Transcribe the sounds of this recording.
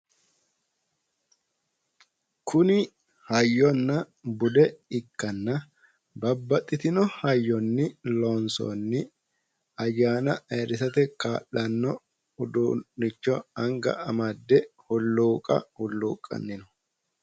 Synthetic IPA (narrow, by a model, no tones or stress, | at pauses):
kʰʊnɪ | hɐjːɔnːɐ | bʊd̪ɛɪkːɐnːɐ | bɐbːɐt̪ʼːɪt̪ɪnɔhɐjːɔnːɪlɔːnsɔ̰nːɪ | ɐjːaːnɐɐɾɪsɐt̪ɛkaːʔːɐnːɔ | ʊd̪unːɪt͡ʃːɔɐŋɡɐ̰ɐmɐd̪ːɛhʊlːuːkʼɐ̰hʊlːuːkʼːɐ̰nːɪnɔ